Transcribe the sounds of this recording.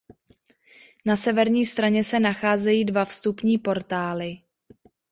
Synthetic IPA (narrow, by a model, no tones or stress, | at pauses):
nasɛvɛɾɲiːst̪ɾaɲɛsɛnaxaːzɛjiːdvafst̪upɲiːpo̞ɾt̪aːlɪ